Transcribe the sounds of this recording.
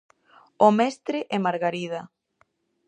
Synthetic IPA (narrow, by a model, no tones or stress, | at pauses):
omɛst̪ɾɪʔɛmaɾɣaɾiða